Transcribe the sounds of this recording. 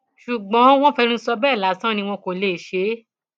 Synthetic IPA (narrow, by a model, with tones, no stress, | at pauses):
ʃu˨ɡ͡bɔ̃˨˦w̃ɔ̃˦fɛ˧ɾ̃ũ˦sɔ˧bɛː˦˨la˨˦sã˦nĩ˧w̃ɔ̃˧ko˨le˨ʃe˨˦